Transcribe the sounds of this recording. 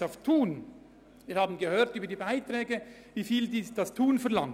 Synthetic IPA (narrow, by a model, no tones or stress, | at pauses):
aʊftʰuːn | viːɾhaːbən̩ɡəhøːʁtyːbɐdiːbaɪtʁɛːɡə | viːfiːldiːsd̥ɑstʰuːnfɛɐlɑŋ